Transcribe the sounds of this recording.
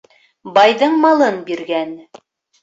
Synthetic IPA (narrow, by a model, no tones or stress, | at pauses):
bɑjðɤɴmɑlˠɤnbiɾɡæn